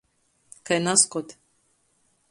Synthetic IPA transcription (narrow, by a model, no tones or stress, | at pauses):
kajnaskɔt̪ʲ